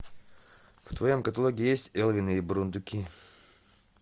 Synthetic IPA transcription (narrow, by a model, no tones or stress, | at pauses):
ft̪vɐjomkɐt̪ɐlˠoɡʲɪjesʲtʲɛlˠvʲɪnɨibɾund̪ʊkʲi